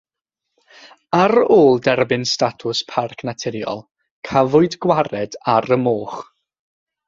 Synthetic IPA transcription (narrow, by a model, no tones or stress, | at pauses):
aɾoːlˠdɛrbɪnstatʰʊspʰarkʰnatʰɪɾjɔ̰lˠ | kʰavʊɨdɡwaɾɛdaɾəmoːχ